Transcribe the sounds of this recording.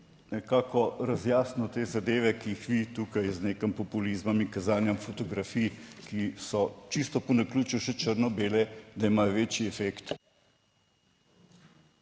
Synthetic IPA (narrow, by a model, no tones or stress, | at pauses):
nɛkaːkɔɾazjaːsnɔt̪eːzad̪eːʋɛkijixʋit̪ukajzneːkəmpɔpulizmɐmiŋkazaːnjamfɔt̪ɔɡɾafiːjkisɔt͡ʃist̪ɔpɔnakluːt͡ʃiwʃɛt͡ʃəɾnɔbeːlɛd̪aimaːjɔʋeːt͡ʃiɛfekt̪